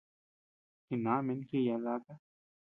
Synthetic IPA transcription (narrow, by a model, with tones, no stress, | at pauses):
ki˨naː˨˦mɪ˦nki˦ja˨la˦ka˦